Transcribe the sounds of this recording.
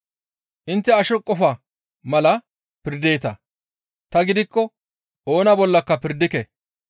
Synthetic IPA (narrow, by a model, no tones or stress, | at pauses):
ʔɪnt̪ːɛɐʃɔkʼːɔfɐ | mɐlɐ | pɪɾd̪eːt̪ɐ | t̪ɐɡɪd̪ɪkːɔ | o̞ːnɐbɔlːɐkːɐpɪɾd̪ɪkɛ